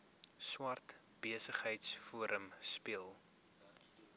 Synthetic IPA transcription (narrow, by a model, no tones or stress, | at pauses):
swɐrt | b̥iəsəχɦəjtsfuəɾʔəmspiəlˠ